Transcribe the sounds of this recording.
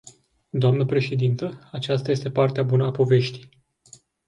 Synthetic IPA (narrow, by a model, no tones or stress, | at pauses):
d̪oamnəpɾe̞ʃe̞d̪int̪əat͡ʃast̪ajest̪e̞part̪eabunəapo̞ve̞ʃt̪i̥j